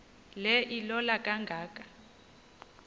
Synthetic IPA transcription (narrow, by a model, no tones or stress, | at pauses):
lɛʔilɔlakʼaŋɡʱaːkʼḁ